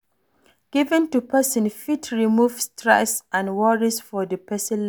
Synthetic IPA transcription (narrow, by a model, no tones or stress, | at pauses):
ɡ̥ivɛ̃ntupʰɛsə̃nfitʰɹimuvstʰɹa̰sʔãnwɔɹisfɔdəpɛsĩnl